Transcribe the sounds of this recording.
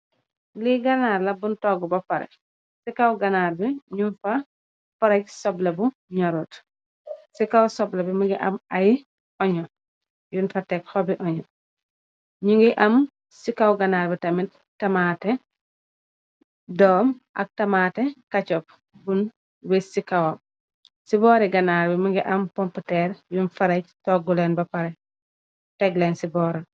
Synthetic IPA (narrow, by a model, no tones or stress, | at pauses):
liɡɐnaːɾlɐbuntɔɡɔbɔfɐɾɛ̰ | sikawɡɐnaːɾbiɲunfɐ | fɐɾɐc̚sɔblɐbu | ɲɔɾɔt | sikawsɔblɐbimuŋɡiʔɐmɐj | ʔɔɲɔ | junfɐtɛkxɔbiʔɔɲɔ | ɲuŋɡiʔɐm | sikawɡɐnaːɾbitɐmit | tːɐmaːtɛ | dɔːmʔɐ̰k̚tɐmaːtɛkɐt͡ʃɔp̚ | bun | wɛsikawɐ | sibɔːɾɛɡɐnaːɾbimuɡiʔɐmpɔmputɛɾjunfɐɾɐc̚tɔɡulɛnbɐpɐɾɛ | tɛɡlɛnsibɔːɾɐ